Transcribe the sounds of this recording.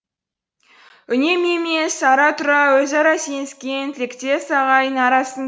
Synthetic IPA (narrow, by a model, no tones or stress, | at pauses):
ʏne̞me̞mesɑɾɑt̪ʊɾɑwɵzɑɾɑse̞nɪskʲent̪ʰɪlɪkt̪e̞sɑʁɑjənɑɾɑsən